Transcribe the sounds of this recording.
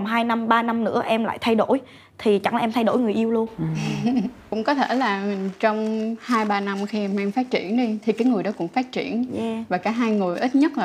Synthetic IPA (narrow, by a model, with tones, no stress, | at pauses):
ŋ͡mɦaː˧jna˧mɓaː˧na˧mnɨ̰˧˥əʔɛ˧mla̰ː˧˨jt̪ʰa˧jɗo˧˥˩j | t̪ʰi˨˩t͡ɕa˧˩ŋla˨˩ʔɛ˧mt̪ʰa˧jɗo̰˧˩jŋɨ˨˩əjʔi˧əwlu˧ən | kʊ̰˧˥ŋ͡mkɔ˨˦t̪ʰe˧˩laː˨˩t͡ɕɔ˧wŋ͡mhaː˧jɓaː˧na˧mxi˧ʔɛ˧mʔɛ˧mfaː˦˥t̚t͡ɕḭ˧˩ənɗi˧t̪ʰi˨˩kaː˨˦jŋɨ˨˩əjɗɔ˨˦kʊ̰˧˥ŋ͡mfaː˦˥t̚t͡ɕḭ˧˩ənvaː˨˩kaː˧˥ɦaː˧jŋɨ˨˩əjʔi˦˥t̚ɲə˦˥t̚laː˨